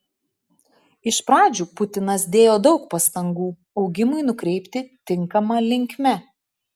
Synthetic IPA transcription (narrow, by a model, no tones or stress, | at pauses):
ɪʃpɾɑːd͡ʒʲuːpʊt̪ʲɪnɐs̬d̪ʲeːjoːd̪ɒʊk̚pɐst̪ɐŋɡuː | ɒʊɡʲɪmʊɪnʊkɾʲɛɪpʲt̪ʲɪt̪ʲɪŋˑkɐmɐːlʲɪŋʲkʲmʲɛ